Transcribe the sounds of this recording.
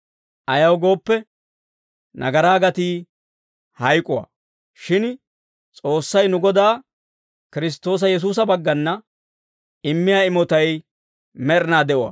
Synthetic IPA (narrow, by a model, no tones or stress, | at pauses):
ʔɐjɐwɡo̞ːpːɛ | nɐ̰ɡɐɾaːɡɐt̪iː | hɐjkʼʊwa̰ː | ʃɪn | t͡sʼo̞ːsːɐjnʊɡɔd̪aː | kɪɾɪs̬t̪ːo̞ːs̬ɐjɛs̬uːs̬ɐbɐɡːɐnːɐ | ɪmːɪjaːɪmɔt̪ɐj | mɛɾɪnaːd̪ɛʔʊwa̰ː